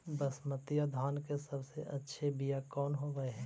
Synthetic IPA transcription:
bəsmət̪ijad̪ʱaːnkesɐbseʔɐtːʃʰebijakɔːnɦoɡəeɦɛ̃ː

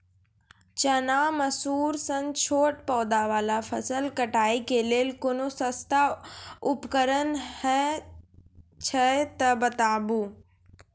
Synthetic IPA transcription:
t͡ɕɐnaːmɐsuːɾsɐ̃nt͡ɕʰoːʈ̚pɔːd̪aʋaːlafʰɐsəlkɐʈaːikeːleːlkʊnusɐst̪ʰaʊpkəɾənhɛ | t͡ɕʰɐet̪ɐbɐt̪aːbuː

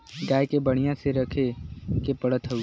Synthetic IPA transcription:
ɡaːjkebəɽ̃ijãseɾɐkʰekepɐɽət̪ɦə

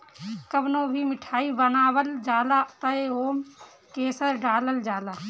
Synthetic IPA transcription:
kəbnoːbʱimɪʈʰaːibənaːwəld͡ʒaːlat̪əeɦoːm | keːsəɾɖaːləld͡ʒaːlaː

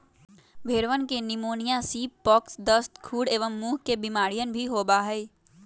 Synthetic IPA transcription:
bʱeːɾʋənkenɪmoːnijãsiːpːɔːksd̪əst̪kʰuːɽeːʋəmːuːɦkebɪmaːɾijənbʱiɦoːbaɦɛ

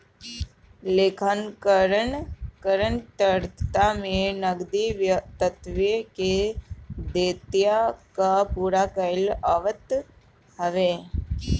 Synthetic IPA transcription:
leːkʰənkəɾənkəɾənt̪əɾt̪amẽnəɡd̪iʋt̪ət̪ʋike | d̪eːt̪jakapuːɾakəlaʋət̪ | həʋeː

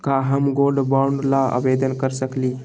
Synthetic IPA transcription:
kaɦəmɡolɖbaɳɖlaə̰bed̪ənkəɾsəkli

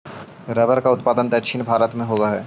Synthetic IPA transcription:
ɾɐbəɾkaʊt̪paːd̪ənd̪ɛʃʰinbʱaːɾət̪mẽɦoːɡaɦɛː

